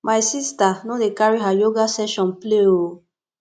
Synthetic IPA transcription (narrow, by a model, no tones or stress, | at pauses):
mʔajsistanɔ̃dekaɹiɦajoɡasɛʃɔ̃npleo